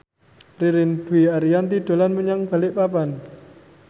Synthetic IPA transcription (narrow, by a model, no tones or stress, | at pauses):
riɾɪnd̪̥uwiaɾijant̪iɖ̪̥o̤lanməɲaŋb̥a̤lɪʔpapan